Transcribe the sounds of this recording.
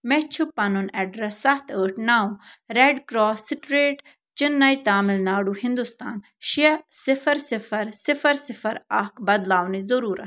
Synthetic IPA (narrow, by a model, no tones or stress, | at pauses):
mɛt͡ʃʰʊpːɐnunɛɖɾɛsːɐt̪ʰəːʈnaːũɾeːɖkɾɔːsɪʈɾeːʈ | t͡ʃɪnːɐit̪aːmɪlnaːɽuhɪ̃nd̪ʊst̪aːn | ʃiɐsɪfɐɾsɪfɐɾsɪfɐɾsɪfɐɾɐkbɐd̪laːwnizɐɾuːɾʔɐ̰